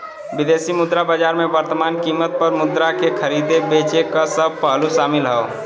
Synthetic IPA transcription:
bid̪esimʊd̪ɾabəd͡ʒaɾmebəɾt̪əmankimːət̪̚pəɾmʊd̪ɾakekʰəɾid̪ebet͡ʃekasəb̚ʱpəɦluʃamɪlɦəo

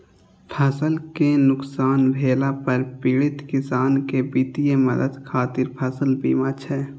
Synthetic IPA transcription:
pʰɐsəlkenʊksaːnbʱeːlapɐɾpiːɽɪt̪kɪsaːnkebiːt̪ijemɐ̰d̪əd̪kʰaːt̪ɪɾpʰɐsəlbiːmat͡ʃʰɛː

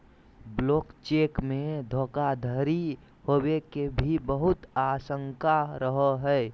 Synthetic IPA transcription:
bloːkt͡ʃeːkmẽd̪ʱoːkad̪ʱəɾi | howekebʱibəɦʊt̪asəŋkaɾəɦəɦɛː

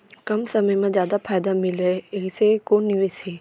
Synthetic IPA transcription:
kɐmsɐməjmãzjaːd̪afʰaːjd̪amɪlesekoːnɪʋesɦeː

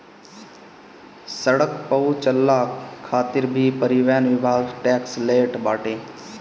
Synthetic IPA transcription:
səɽəkpəut͡ʃəlːaːkʰːaːt̪ɪɾbʱipəɾiʋɛːnʋɪbʱaːɡʈɛːksleːʈbaːʈẽː

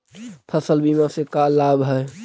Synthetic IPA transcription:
pʰəsəlbimãsekalaːbɦɛ

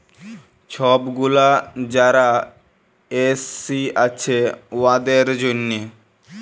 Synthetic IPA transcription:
t͡ɕʰɔbɡulad͡ʑaɾa | esːiat͡ɕʰewad̪eɾd͡ʑonːe

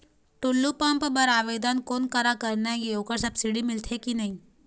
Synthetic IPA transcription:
ʈulːupəmpbəɾaʋed̪ənkonkəɾakəɾnjajeokəɾsɐbsiɽimɪlt̪ʰekinaɦĩ

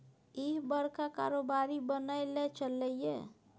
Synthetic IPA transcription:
iɦbəɾkaka̰ɾobaɾibənəjlet͡ʃəlːəjjḛ

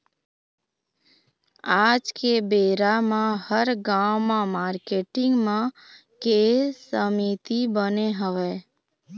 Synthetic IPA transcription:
aːd͡ʒkebeːɾamãhəɾɡamãmaːɾkeːʈɪ̃ŋɡmã | kesəmit̪ibəneɦəʋe

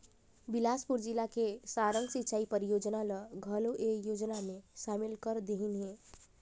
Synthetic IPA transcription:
bilaspuɾd͡ʒilakesaɾəŋɡsitːt͡ʃaipəɾijod͡ʒnaləɡʱəloʔejod͡ʒnameʃamilkəɾd̪eɦinɦe

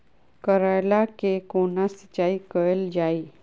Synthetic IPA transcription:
kəɾajlakekoːnasət͡ʃaikəəld͡ʒai

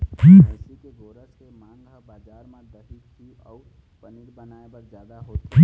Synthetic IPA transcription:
kiːsikeɡoːɾəskemãːŋɡɦəbaːd͡ʒaːɾmãd̪ɐɦikt̪ʰiɔːɾpɐniɾbɐnaːebɐɾd͡ʒjaːd̪aɦoː

